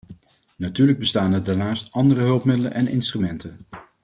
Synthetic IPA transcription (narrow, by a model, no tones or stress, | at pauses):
natyːɹləɡ̚bəstaːnədaɹnaːstɑndərəɦɵlˠpmɪdələ̰nʔɛnɪ̰nstrymɛntən